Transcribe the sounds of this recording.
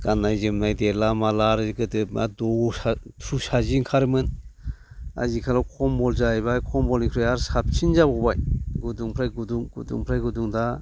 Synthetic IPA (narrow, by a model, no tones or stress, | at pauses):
ɡ̥anajzɯmnajdelamalaɾɡɯtɯp̚madɔatʰɾusaziŋkʰaɾmɯn | a̰zikʰalawkʰɔmbɔlzajbajkʰɔmbɔlnikʰɾɔjaɾsap̚t͡ʃʰinzabɔbajɡuduŋpʰɾajɡuduŋɡṵdṵŋpʰɾajɡuduŋda